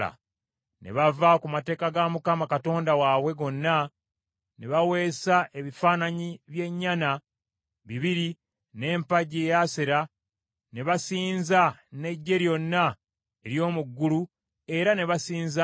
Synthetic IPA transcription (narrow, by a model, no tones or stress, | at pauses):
a̰ | ne̞̰βavakumate̞ːkaɡamukamakato̞ːndawawe̞ɡo̞nːa | ne̞βawe̞ːsaʔe̞βifaːnaɲiβje̞ɲːana | βiβiɾi | ne̞ːmpaɟejaseɾa | ne̞βasiːnzane̞ɟːe̞ɾjo̞nːa | eɾjo̞ːmuɡːulu | e̞ɾane̞βasiːnza